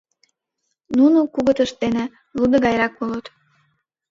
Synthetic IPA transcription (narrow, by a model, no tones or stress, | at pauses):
nunukuɣət̪əʃt̪enĕ | lud̪ə̆ɣɑjɾɑkpolət̪